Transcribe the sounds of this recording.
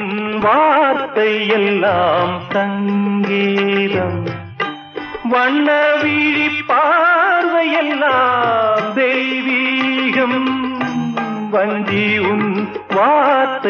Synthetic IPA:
nʋaːɾt̪ɐjɛlːaːmsɐŋɡiːɾɐm | ʋɐɳːɐʋiːɽipːaːɾʋɐjɛlːaːmd̪ɛjʋiːɣɐm | ʋɐɲd͡ʒiʊn | ʋaːɾt̪ɐ

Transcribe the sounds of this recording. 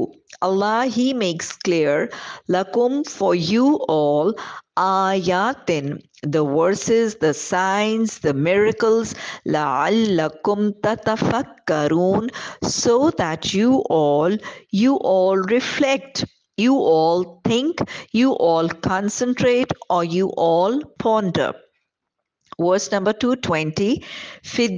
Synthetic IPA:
ɐlːɑːɦimeːkskliəɾlɐkʊ̃mfɔɾjuːʔɔːlʔaːjaːt̪ɪ̃n | d̪əʋəɾsɪzd̪əsãɪnzd̪əmɪɾɪkəlzlaʕa̰lːɐkʊ̃mt̪ɐt̪ɐfɐkːɐɾuːnsoːd̪æʈʰjuʔɔːljuːʔɔːlɾɪflɛk̚ʈ | juːʔɔːlt̪ʰɪ̃ŋkjuːʔɔːlkʰɑ̃nsə̃nʈʰɾeːʈɔɾjuːʔɔːlpʰɔ̃nɖə̰ | ʋəɾsnɐ̃mbəɾʈuːʈʰwɛ̃nʈifɪ

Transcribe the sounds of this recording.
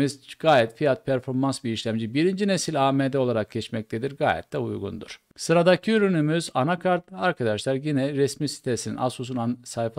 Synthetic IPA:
izɡ̥aːjɛt̪fijat̪̚pʰæɾfo̞ɾmansbiːʃlʲæmd͡ʒibiɾind͡ʒinesilʲaːmed̪ɛo̞lˠaɾak̚cʰɛt͡ʃmɛc̚t̪ʰed̪iɾɡa̰ːjɛ̰t̪ʰd̪ɛṵjɡṵnd̪ṵɾ̥ | sɯɾad̪acʰiyɾynymyzanakʰaɾt̪aɾkʰad̪aʃlˠaɾjinɛɾɛsmisi̥t̪ʰesinḭnasusunansajf

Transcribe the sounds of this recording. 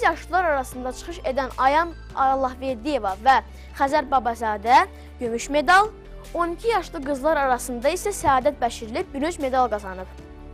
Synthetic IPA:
izjɑʃlˠɯlˠɑɾɑɾɑsɯnd̪ɑt͡ʃʰɯ̥χɯʃe̞d̪ænɑjɑn | ɑlˠːɑhveɾd̪ije̞vɑvæ | χæzæɾbɑbɑzɑːd̪æ | ɟømyʃme̞d̪ɑlˠ | o̞nicʰijɑʃlˠɯɡɯzlˠɑɾɑɾɑsɯnd̪ɑisæsæɑːd̪æt̪̚bæʃiɾilip̚byɾyt͡ʃme̞d̪ɑlˠɡɑzɑnɯp

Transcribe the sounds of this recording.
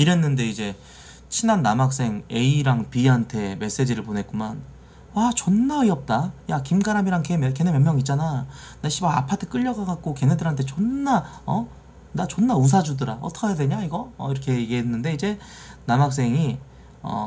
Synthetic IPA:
iɾe̞nːɯnde̞id͡ʑe̞ | t͡ɕʰinanːamak̚s͈e̞ŋe̞iɾaŋpiɦantʰe̞me̞s͈e̞d͡ʑiɾɯɭpone̞t̚k͈uma̰n | wat͡ɕʌnːaiʌp̚t͈ajakimɡaɾamiɾaŋkemke̞nemjʌmjʌŋit̚t͡ɕ͈ana | neɕ͈ʰibaa̰pʰatʰɯ̥k͈ɯʎːʌɡakak̚k͈oke̞nedɯɾɦantʰe̞t͡ɕʌnːaʌ | nat͡ɕʌnːaus̬ʰad͡ʑudɯɾa̰ʌtʰʌkʰjade̞ɲaiɡʌʌiɾʌkʰe̞ɡeɦenːɯnde̞id͡ʑe̞ | namak̚s̬͈e̞ŋi | ʌ̰

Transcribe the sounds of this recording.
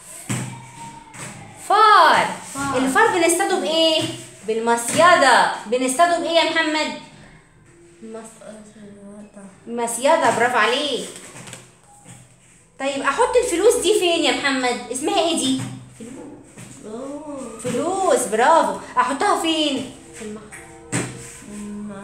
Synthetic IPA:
fɑːɾˤʔelːfɑːɾˤbenest̪ˤɑd̪obʔeːbelmɑsjɑd̪ˤɑbenest̪ɑd̪ˤubʔeːjæmħamːæd̪̚ | mɑsˤjɑd̪ˤɑbɾˤɑːbʕaleːk | t̪ˤɑjːebʔæħot̪ˤːelfoluːsd̪iːfeːnjæmħamːæd̪ʔesmæhæʔeːd̪i | feluːsbeɾˤɑːboʔaħot̪ˤːæhofeːn | film

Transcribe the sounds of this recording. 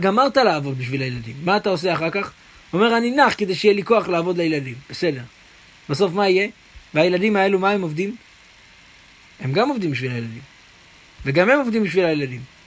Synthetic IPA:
ɡamaʁt̪alaːvo̞d̚biʃvilajeladimːaːt̪ao̞s̬eaχaʁkaχ | ome̞ʁaninaχked̪ejʃeijeliko̞aχlaːvo̞dlajeladimb̥ese̞de̞ʁ | b̥aso̞fmaije̞ | veajeladimae̞lumae̞mo̞vdim | e̞mɡamovd̪imbiʃvilajeladim | ve̞ɡamhemo̞vd̪imbiʃvilajeladim

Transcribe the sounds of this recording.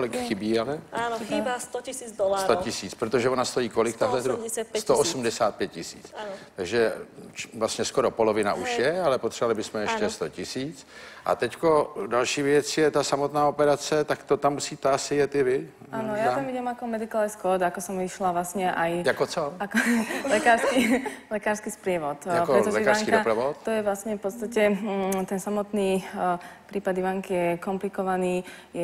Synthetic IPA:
kolɪkxɪbiːalɛaoxɪbaːst̪ocɪsiːd͡zd̪olasɾocɪsiːt͡spɾot̪o̞ʒɛonast̪ojiːko̞lɪkt̪aɦlɛzɾusɛt̪st̪oosum̩dɛsaːt̪̚pjɛt̪̚cɪsḭːt͡st̪aɡʒɛ | vlast̪ɲɛsko̞ɾo̞po̞lo̞vɪna̰ʔuʃjɛalɛpot̪r̥ɛvalɪbɪsmɛjɛʃcɛst̪o̞cɪsiːt͡s | ʔa̰t̪ɛcko̞dalʃiːvjɛt͡sjɛt̪asamo̞t̪naːopɛɾat͡sɛt̪akt̪ot̪amːusiːt̪ɛasɪjɛt̪ɪvɪ | ʔaːnɔjaːt̪amiɟɛmakɔmɛd̪ikalɛskɔd̪akɔsɔmʋiʃlaʋlasɲɛʔajjakot͡soakɔlɛkaːɾskilɛkaːɾskispɾɪɛʋɔt̪japkoɾɛt̪ɔʒlɛɛkaɾɾsŋkidopɾavot̪t̪ɔjɛʋlasɲɛfpɔt̪st̪acɛt̪ɛnsamɔt̪niː | pɾiːpad̪iʋaŋkijɛkɔmplikɔʋaniː | jɛ

